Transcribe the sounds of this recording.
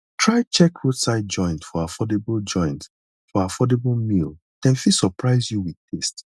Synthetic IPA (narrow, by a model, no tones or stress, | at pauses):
tʰɹaɪt͡ʃɛkɹudsaɪt̚d͡ʒɔ̃ɪ̃ntfɔafɔdebld͡ʒɔ̃ɪ̃nt | fɔafɔdeblmil | d̥ɛ̃nfisɔpʰɹaɪzjuwi̥tʰest